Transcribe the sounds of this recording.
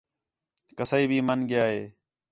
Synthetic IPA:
kəsaːiːbʱiːmənɡɪjaːɦeː

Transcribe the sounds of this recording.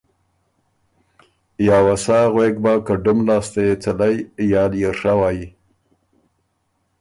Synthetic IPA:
jɑːwasɑɣweɡ̚bakəɖʊmlɑːst̪ejet͡salajjɑljeʂawɑji

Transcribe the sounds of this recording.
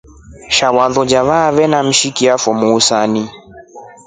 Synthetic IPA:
ʃawaðɔd͡ʒaβaβɛnam̩ʃikiafɔmuːsani

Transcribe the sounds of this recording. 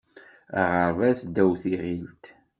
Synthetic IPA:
ʁəɾvæsd̪æwθiʁilt̪

